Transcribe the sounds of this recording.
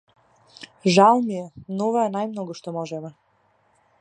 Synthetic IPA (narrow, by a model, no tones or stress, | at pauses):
ʒalˠmijɛnɔvaɛnajmnɔɡuʃt̪ɔmɔʒɛmɛ